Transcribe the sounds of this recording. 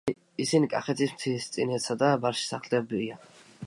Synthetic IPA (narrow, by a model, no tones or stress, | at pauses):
isinikʼa̰χɛt̪ʰismt̪ʰist̪sʼinɛt̪sad̪abaɾʃi̥saχlɛbia